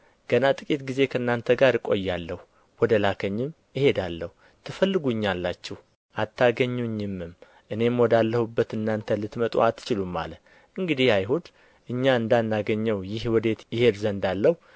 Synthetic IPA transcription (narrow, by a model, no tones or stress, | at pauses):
ɡ̥ənat̪ʼɨkʼit̪ɡize̞kʰəɨnːant̪ʰəɡaɾkʼo̞jːalːəhu | wɔd̪əlakʰəɲːɪm | jɪhe̞d̪alːəhu | t̪ʰɨfəlːɨɡuɨɲːalːat͡ʃːɛh | ʔat̪ʰːaɡəɲːuɲːɪmɨm | ʔɨne̞mwɔd̪alːəhubːət̪ɨnːant̪ʰəlɨt̪mət̪ʼo̰at̪ʰːɨ̥t͡ʃɪlumːa̰lə | ʔɨŋɡɨd̪ihajɦud̪ | ʔɨɲːaɨnd̪anːaɡəɲːəwjɪhwɔd̪et̪jɪhe̞d̪zənd̪alːəhu